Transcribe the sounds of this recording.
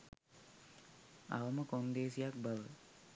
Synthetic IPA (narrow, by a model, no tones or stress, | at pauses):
a̰ʋəməkond̪eːsijak̚baʋə